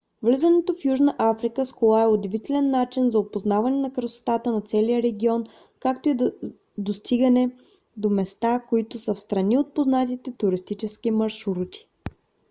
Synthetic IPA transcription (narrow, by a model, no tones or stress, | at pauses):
vlizənɛt̪ofjuʒnəʔafɾikəskolˠaɛʊd̪ɛvit̪ɛlɛnːat͡ʃinzɐopoznavɐnɛnɐkɾəso̥t̪at̪ənɐt̪sɛlijəɾɛɡʲiɔn | kak̚t̪oi | d̪ost̪iɡɐnɛ | d̪omɛst̪akoit̪ʊsəfst̪ɾɐniot̪̚poznat̪it̪ɛt̪ʊɾist̪it͡ʃɛskimɐɾʃuɾut̪ʲi̥